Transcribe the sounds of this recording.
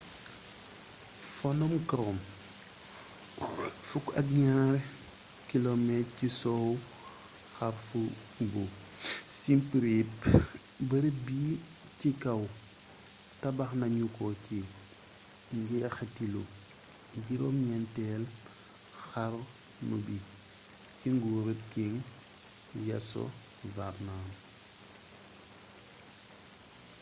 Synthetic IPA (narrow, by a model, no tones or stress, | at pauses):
fɔnɔmkɾɔm | fukɐ̰k̚ɲaɾ | kilomɛtcisɔw | xɐɾfu | bu | simpɾip | bɐɾibiː | cikɐw | tɐbɐxnɐɲukɔki | ɟɛxatilo | ɟiɾɔmɲɛntɛl | xaɾ | nubi | ciŋɡuːɾikiŋ | jɐ̰sɔ̰ | vabnaːn